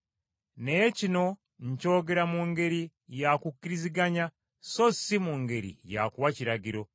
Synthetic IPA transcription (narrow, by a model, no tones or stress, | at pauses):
ne̞cino̞ | ɲco̞ːɡe̞ɾamuŋɡe̞ɾi | jakukːiɾiziɡaɲa | so̞simuŋɡe̞ɾḭja̰kuwaciɾaɟiɾo̞